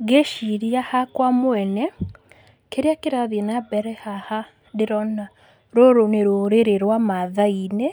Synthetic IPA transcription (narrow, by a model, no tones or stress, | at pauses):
ɡeʃiɾiahakwamoɛnɛ | keɾeakeɾaðienabɛɾɛhaha | ndeɾɔna | ɾoɾoneɾoɾeɾeɾwamaðaine